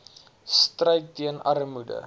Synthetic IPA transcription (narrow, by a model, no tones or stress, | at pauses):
strəjtːiənʔɐrmudə̰